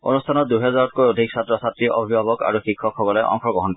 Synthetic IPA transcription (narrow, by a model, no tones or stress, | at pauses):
o̰nustʰanɔt̚d̪uɦɛzaɹɔt̚kojodʱiksat̪ɹɔsat̪ɹiʔɔbʱibʱabɔka̰ɹuxikʰːɔkʰɦɔɡɔlɔjʔɔ̰ŋkʰɔɡɔɦɔnkɔ